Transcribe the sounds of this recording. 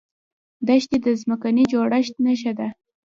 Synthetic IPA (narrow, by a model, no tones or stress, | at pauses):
d̪aʃt̪ed̪əzməkanid͡ʒoɽaʃt̪̚naʃ̬ad̪a